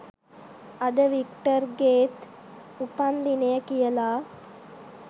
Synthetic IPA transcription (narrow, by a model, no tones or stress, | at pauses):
ad̪əʋikʈəɾɡeːt̪ | upand̪inejəkijəlaː